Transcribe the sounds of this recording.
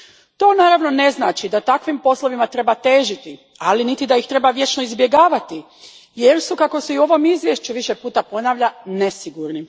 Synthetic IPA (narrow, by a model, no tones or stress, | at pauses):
t̪o̞ːnaːɾaʋnone̞znaːt͡ʃid̪at̪akʋimpo̞slˠoʋimat̪ɾe̞bat̪e̞ːʒit̪i | alinit̪id̪ajixt̪ɾe̞baʋje̞t͡ʃno̞izbje̞ɡaːʋat̪i | je̞ɾsukako̞seiuo̞ʋo̞mizʋʲje̞ʃt͡ʃuʋiʃe̞puːt̪apo̞naːʋʎanesiɡuɾni